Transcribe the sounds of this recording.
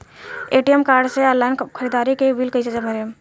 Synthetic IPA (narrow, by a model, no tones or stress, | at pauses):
eʈijemkaɾɖsealːaɪnkʰəɾid̪aɾikebilkəsed͡ʒaməɾijəm